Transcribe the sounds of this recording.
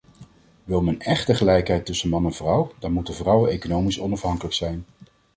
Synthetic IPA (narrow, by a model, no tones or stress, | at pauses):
ʋɪlˠmənɛχtəχəlɛjkɦɛjtɵsənmɑnɛnv̥rʌwdaːɹmutənvrʌwənejkonowmisɔnɑfɦɑŋkələksɛjn